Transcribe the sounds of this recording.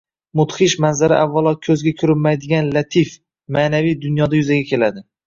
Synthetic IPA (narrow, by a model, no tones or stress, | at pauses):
mʊt̪χɪʃmanzaɾa̰ʔavːalˠɒkʲʰɵzɡʲakʲʰʊɾɪmajd̪ɪɡʲanlat̪ʰif | maːnavijd̪ʊnjɒd̪ajʊzaɡʲakʲʰe̞lad̪ɪ